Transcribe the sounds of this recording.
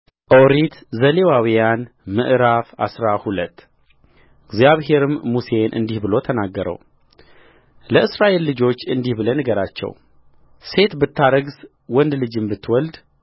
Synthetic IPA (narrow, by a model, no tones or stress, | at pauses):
ʔoɾit̪zəlewawijan | mɨ̰ʔɾafa̰sɾahulət̪ː | ɨɡzjaβɦe̞ɾɨmːuse̞nʔɨ̰nd̪ihbɨlo̞t̪ʰənaɡːəɾə̰w | ləɨsɾaʔelːɨd͡ʒo̞t͡ʃːɨnd̪ihbɨlənɨɡəɾat͡ʃːɛ̰w | se̞t̪bɨt̪ːaɾəɡs | wɔnd̪lɨd͡ʒɨmbɨt̪ʰːwɔld̪